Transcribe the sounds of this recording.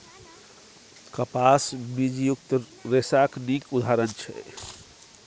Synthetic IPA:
kəpasmid͡ʒjuk̚t̪ | ɾesaknikud̪ʱaɾənt͡ʃʰɛ̰

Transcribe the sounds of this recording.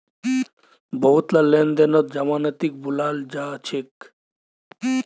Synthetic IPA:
bʱɔɦut̪lalend̪enɔt̪̚d͡ʒɐmaːnɐt̪ik̚bulaːld͡ʒaːt͡ʃʰek

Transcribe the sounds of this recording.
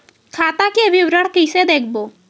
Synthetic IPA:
kʰaːt̪akiʋɪwɾəɽ̤kɪsed̪eːkʰboː

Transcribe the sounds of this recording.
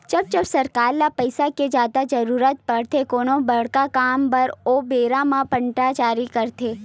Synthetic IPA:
t͡ʃəb̚t͡ʃəbsəɾkaːɾlapəɪsaked͡ʒaːd̪ad͡ʒəɾuːɾət̪̚pəɽt̪ʰekoːñobəɽ̤kakaːmbəɾobeːɾamãpə̃ɳʈat͡ʃaːɾikəɾt̪ʰe

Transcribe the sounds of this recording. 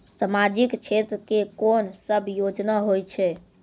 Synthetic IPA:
səmad͡ʒikt͡ʃʰet̪ɾəkekonsəbʱjod͡ʒnaɦojt͡ʃʰɛ

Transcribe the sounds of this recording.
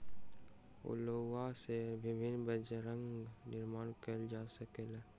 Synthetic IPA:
o̰lowasebɪbʱɪnbəd͡ʒeɾə̃ŋɡɡnɪɾmaːnkəld͡ʒaːsəkeleː

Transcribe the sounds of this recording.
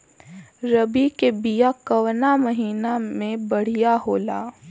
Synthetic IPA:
ɾɐbikebijakɐʋnamɐɦiːnamẽbɐɽ̤ijaɦoːlaː

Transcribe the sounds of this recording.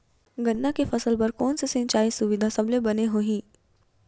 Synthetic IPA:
ɡɐnːakefɐsəlpɐɾkɔːnsesɪ̃nt͡ʃaːisʊʋɪd̪ʱasɐblebɐneɦoːɦĩː

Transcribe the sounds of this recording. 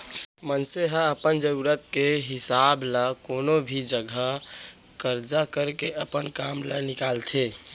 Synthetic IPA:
mənseɦə̃əpənd͡ʒəɾuɾət̪keɦɪsaːblakoːnobʱid͡ʒəɡʱə | kəɾd͡ʒakəɾkeʔəpənkamlanɪkaːlt̪ʰe

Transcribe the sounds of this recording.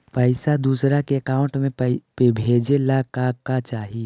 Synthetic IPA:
pəɪsad̪uːsɾakeɐkaːʊ̃ɳʈmẽpebʱeːd͡ʒelakaːɡkat͡ʃaːɦi

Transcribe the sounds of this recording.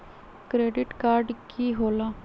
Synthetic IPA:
kɾeːɖɪʈkaːɾɖkiːɦoːlaː

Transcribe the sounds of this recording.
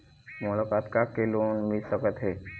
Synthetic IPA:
mʊlakaːt̪kakeloːnmɪlsəkət̪ɦɛː

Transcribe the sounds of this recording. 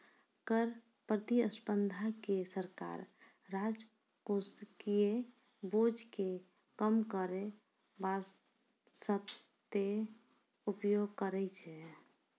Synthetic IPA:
kəɾ | pɾət̪iəspənd̪ʱakesəɾka̰ɾː | ad͡ʒ | koskie | bod͡ʒke | kəmkəɾe | bas | sət̪e | upjoɡ̚kəɾɛt͡ʃʰɛ

